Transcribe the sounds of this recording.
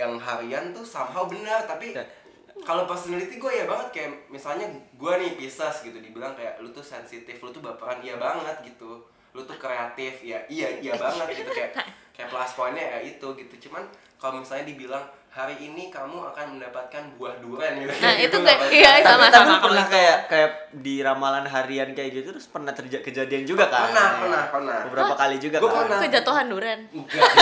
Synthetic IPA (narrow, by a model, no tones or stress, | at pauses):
jaŋɦaɾiant̪usamɦawbənərt̪api | kalopərsonalit̪iɡuajabaŋət̪̚kajaʔmisalɲaɡuanɪbisasɡit̪udibilaŋkajaʔlot̪usɛnsit̪ɪflot̪ubapaɾanijabaŋət̪̚ɡit̪u | lot̪ukɾeat̪ɪfjaijaijabaŋət̪̚ɡit̪ukajaʔkajaʔplasforɲajait̪uɡit̪ut͡ʃuman | kalomisalɲadibilaŋ | haɾiːnikamua̰kanməndapat̪̚kanbuahduɾanuɡanait̪uajaiaat̪abpərnahkajaʔkaja | diɾamalanɦaɾiankajad͡ʒut̪ut̪ɾʊspərnaht̪ərd͡ʒkəd͡ʒadiand͡ʒuɡakaənahənahpərnahbəbəɾapakalid͡ʒuɡakaənakəd͡ʒat̪uɦanduɾanɡa